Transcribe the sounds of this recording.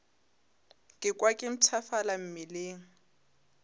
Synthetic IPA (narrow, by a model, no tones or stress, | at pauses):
kʼɪkʼwakʼɪm̩t͡sʰafalam̩mɪleːŋ̩